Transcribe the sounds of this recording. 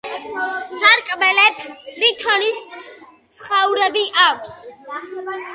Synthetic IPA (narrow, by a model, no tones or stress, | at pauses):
saɾkʼbɛlɛpʰɾit̪ʰɔnis | sʰχauɾɛbiʔakʷʰs